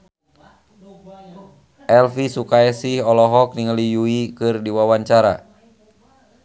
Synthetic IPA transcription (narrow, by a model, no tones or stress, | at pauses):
ʔɛlfisukaɛsihɔlɔɦɔk̚niŋəlijuikɨrdiwawaɲt͡ʃaɾa